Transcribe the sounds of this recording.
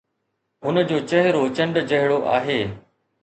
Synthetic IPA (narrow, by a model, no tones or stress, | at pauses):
ɦʊnəd͡ʑoːt͡ɕɐɦɪɾot͡ɕə̃ɳɖd͡ʑɐɦɪɽoʔa̰ːɦeː